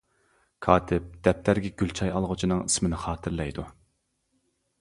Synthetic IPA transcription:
kʰɑːt̪ʰɪp̚d̪̥ɛp̚t̪ʰæɾɡʲɛɡʲylt͡ʃʰɑjɑlˠʁʊt͡ʃʰinɨŋismɪnɪχɑːt̪ʰɨɾlɛjd̪u

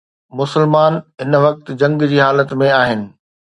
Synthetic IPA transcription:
mʊsəlmaːnɦɪnʋɐk̚t̪d͡ʑɐ̃ŋɡd͡ʑiːɦaːlət̪mẽaːɦɪnɪ̆

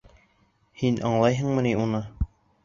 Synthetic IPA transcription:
hinʔɑɴlˠɑjɦɤ̆ɴmɤ̆niunɤ

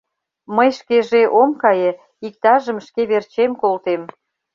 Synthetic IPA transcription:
məjʃkeʒeʔomkɑjĕ | ik̚t̪ɑʒə̆mʃkeβert͡ɕemkolt̪em

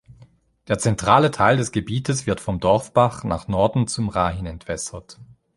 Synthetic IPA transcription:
d̥eːɐt͡sɛntʁ̥aːlətʰaɪldɛsɡ̥əbiːtʰəsv̥ɪɐtfɔmdɔɐfb̥aχna̰ːχnɔɐdn̩t͡sumʁaːhɪnɛntv̥ɛsɐt

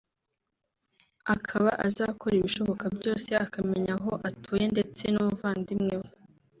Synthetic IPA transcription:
akʰaβaʔazaːkoɾiβiʃo̞βo̞kabɟo̞ːse̞ʔakame̞ɲaɦoʔatʰuːje̞nde̞t͡se̞numuvaːndimŋewe

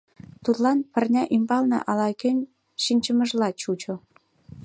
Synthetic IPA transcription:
t̪ut̪lɑnpə̆rnʲɑʔimbɑlnɑ̰ʔɑlɑkønʲ | ʃinʲt͡ɕə̆mə̆ʒlɑt͡ɕut͡ɕo

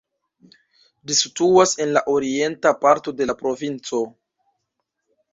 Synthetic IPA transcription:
lisituase̞nlaʔo̞ɾie̞ntapaɾto̞de̞lapɾo̞vint͡so̞

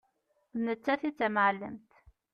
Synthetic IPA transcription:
nət͡sːæθit͡sːæmʕlːəmt̪

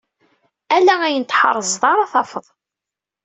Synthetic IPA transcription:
ælææjənt̪ħə̰ɾˤəzˤðˤɑɾˤɑθɑfəðˤ

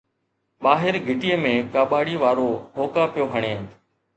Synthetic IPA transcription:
ɓaːɦɪɾɡʱɪʈiːəmẽːkaːɓaːɽiːʋaːɾoːɦoːkaːpjoːɦəɳ̃eː

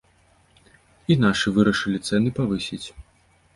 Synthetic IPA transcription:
inaʂɨvɨɾɐʂɨlʲit̪sɛnɨpavɨsʲit͡sʲ

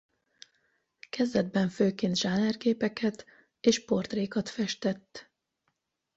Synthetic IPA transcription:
kɛzd̪ɛd̪̚bɛɱføːkeːnt̪ʒ̥aːnɛrɡeːpɛkʰɛt̪ | eːʃpo̞rt̪reːkɒt̪fɛʃt̪ɛt̪ː

